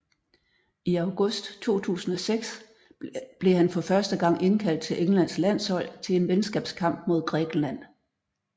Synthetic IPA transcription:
iɑ̈ʊɡ̥ɔsd̥t͡sʰo̝̰ːt͡sʰṵːsn̩ɒ̽seɡ̥s | b̥le̝ɦænfɒ̽fɶɐsd̥əɡ̥ɑ̈ŋ̰e̝nkʰæl̰d̥̚t͡sʰe̝lʔeŋ̩læn̰slæn̰shɒ̽l̰t͡sʰe̝le̝nʋennsɡ̥ɛ̰ːb̥skʰɑ̈m̰b̥̚mo̝ð̞̰ˠɡ̥ʁɛ̰ːɡ̥n̩læn̰

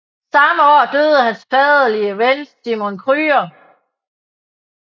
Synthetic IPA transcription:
sɑ̈məɒ̰ːd̥øð̞ˠəhænsfɛðˠɐliəʋensd̥imonkʰʁyːɐ

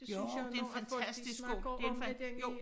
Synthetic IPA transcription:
d̥e̝enfænt͡sʰæsd̥isɡ̥o̥eenfjo

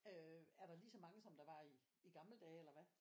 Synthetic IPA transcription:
øæɐɾ̥ɑ̈lisɒ̽mɑ̈ŋəsɒ̽md̥ɑ̈ʋɑ̈iː | ɡ̥ɑ̈ml̩d̥ɛ̰ːelɐʋæ

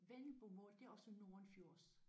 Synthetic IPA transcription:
ʋenl̩b̥omɔ̰ːld̥e̝æɒ̽səno̝ɐnfjo̝ɐ̰s

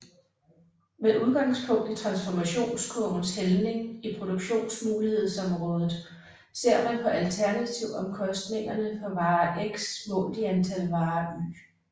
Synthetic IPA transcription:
meðʔuð̞ˠɡ̥ɑ̈ŋspʰɔ̽ŋ̰d̥it͡sʰʁɑ̈nsfɒmæɕo̝̰ːnskʰɔn̩shelne̝ŋipʰʁo̝d̥o̝ɡ̥ɕo̝̰ːnsmuːlihe̝ð̞̰ˠsɒ̽mʁɔ̽ːð̞ˠð̩ˠ | se̝ɐ̰mænpʰɒ̽ʔælt͡sʰæɐnæt͡sʰiʊ̰ɒ̽mkʰɒ̽sd̥ne̝ŋɐnəfɒ̽ʋɑ̈ːʔeɡ̥smɔ̰̽ːld̥iænt͡sʰælʋɑ̈ːy̰ː

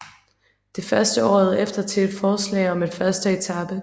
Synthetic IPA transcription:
d̥e̝fɶɐsd̥əɒ̰ːð̞̩ˠefd̥ɐt͡sʰe̝ed̥fɒːslɛ̰ːɪɒ̽me̝d̥fɶɐsd̥əet͡sʰɑb̥ə

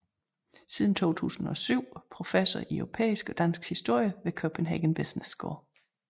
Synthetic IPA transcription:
siːð̞ˠn̩t͡sʰo̝̰ːt͡sʰṵːsn̩ɒ̽syʊ̰pʰʁo̝fesɒiœʊʁo̝pʰḛːisɡ̥ɒ̽d̥æn̰sɡ̥hisd̥o̝ɐ̰jəʋe̝kʰopʰenɦæ̰ɡ̥ənb̥esnesɡ̥ɔ̰ː

